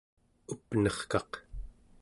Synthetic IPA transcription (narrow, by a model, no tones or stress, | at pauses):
upnʌχkɑq